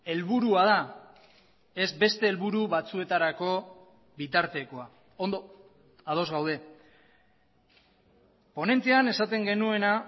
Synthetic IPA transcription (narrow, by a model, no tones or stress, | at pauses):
e̞lβuɾuað̞a | e̞zbe̞st̪e̞ːlβuɾuβat͡sue̞t̪aɾako̞ | βit̪aɾt̪e̞ko̞a | ond̪o | að̞o̞zɣawð̞e̞ | po̞ne̞nt̪eane̞sat̪e̞ŋɡe̞nue̞na